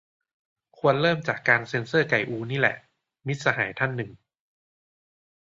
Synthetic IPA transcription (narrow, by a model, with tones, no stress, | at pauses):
kʰu˧ənlɤː˥˩mt͡ɕaː˨˩kːaː˧nse˧nsɤː˥˩ka˨˩jʔuː˧niː˦˥lɛ̰˨˩ʔ | mi˦˥t̪̚sa˧ɦa̰ː˩˦jt̪ʰa˥˩nːɯ˨˩ŋ